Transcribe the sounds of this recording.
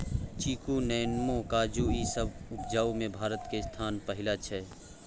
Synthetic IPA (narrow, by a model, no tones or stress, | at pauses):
t͡ʃiːkunɛːnmõkaːd͡ʒuisəbʊpd͡ʒaːumẽbʱaːɾət̪kest̪ʰaːnpəɦɪlat͡ʃʰɛ